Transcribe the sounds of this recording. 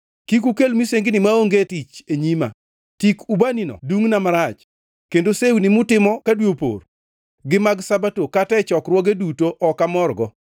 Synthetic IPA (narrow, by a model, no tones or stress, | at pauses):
kik̬ukelmiseŋɡɪnɪmaoŋɡetit͡ʃeɲima̰ | tikubaninɔ̰duŋnamaɾat͡ʃ | kendosewnimʊtɪmɔkadwopo̰r | ɡɪmaɡsabatokatɛt͡ʃɔkrwɔɡedutoʔɔkamɔrɡɔ